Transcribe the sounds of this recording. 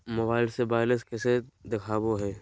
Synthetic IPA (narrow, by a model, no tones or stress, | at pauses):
mɐbaːɪlsebaːɪləskɛːsed̪ɪkʰaːboɦɛː